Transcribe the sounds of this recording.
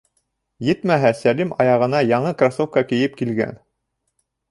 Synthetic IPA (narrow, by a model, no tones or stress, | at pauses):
jɘt̪mæɦæsælimɑjɑʁɤ̆nɑjɑɴɤkrasofkɑkɘ̆jɘp̚kilɡæ̰n